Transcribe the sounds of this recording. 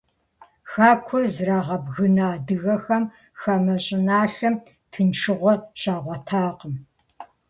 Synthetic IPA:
xaːkʷʰɔzraːʁɐbɣɨnaːdɨɣɐxɐm | xɐmɐɕʼɪnaːɬɐm | tʰɨnʈ͡ʂʰɨʁʷɔɕaːʁʷɔtʰaːqəm

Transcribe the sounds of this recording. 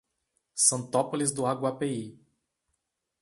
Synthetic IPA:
sɐ̃nt̪ɔpolizd̪ʊaɡwapei

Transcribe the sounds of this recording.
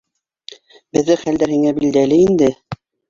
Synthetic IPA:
bɘ̆ðːɘχæld̪æɾhiŋæbild̪ælɘind̪ɘ

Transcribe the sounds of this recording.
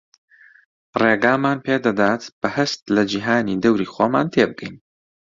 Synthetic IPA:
reːɡaːmaːnpʰeːd̪ɐd̪aːt̪b̥ɐhɐst̪lɐd͡ʒiːɦaːniːd̪ɐwɾiːxoːma̰ːnt̪ʰeːbɨɡɛjn

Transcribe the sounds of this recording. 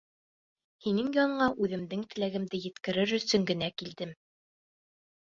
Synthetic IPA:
hinɘŋjɒɴɤ̆ɴɑʔʉðɘ̆md̪ɘŋt̪ɘ̆læɡɘ̆md̪ɘjɘ̆t̪kɘ̆ɾɘɾɵ̆sɵŋɡɘ̆nækild̪ɘm

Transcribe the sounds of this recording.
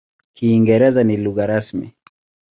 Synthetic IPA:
kiːŋɡɛɾɛzaniluɣaɾasmḭ

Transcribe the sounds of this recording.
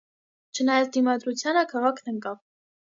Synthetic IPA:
t͡ʃʰənɑjɑt͡sʰd̪imɑd̪ɾut͡sʰjɑnəkʰɑʁɑkʰnəŋkɑv

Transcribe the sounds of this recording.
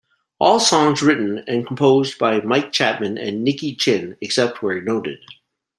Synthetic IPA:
ʔɔlˠsɔ̃ŋzɹɪʔn̩ɨ̃nkʰm̩pʰoʊzbaɪmaɪk̚t͡ʃʰæt̚mɨ̃nɨ̰̃nːɪkit͡ʃʰɪ̃nɨksɛp̚t̚wə˞noʊɾɨ̰d̥̚

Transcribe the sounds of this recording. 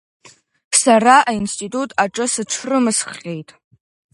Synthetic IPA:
saraʔainstʼitʼutʼaʈ͡ʂʼɨsɨʈ͡ʂʷʰrɨmɨsχʲe̞jtʼ

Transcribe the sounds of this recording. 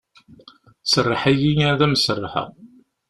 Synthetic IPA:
sərˤːɑħæjijðæməsərˤːɑħə̰ʁ

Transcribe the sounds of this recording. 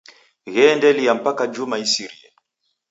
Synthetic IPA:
ɣɛndɛlijam̩pakad͡ʒumaisiɾia

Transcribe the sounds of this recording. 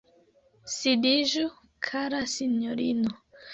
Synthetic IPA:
sidiʒu | kʰaɾasiɲoɾinɔ

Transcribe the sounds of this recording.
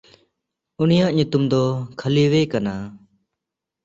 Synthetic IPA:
unijaʔɲut̪umd̪ɔkʰaliwekana

